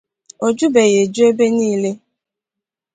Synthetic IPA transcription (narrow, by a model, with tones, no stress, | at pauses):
o˨d͡ʒu˦be˨je˨d͡ʒu˦e˦be˦niː˦le˦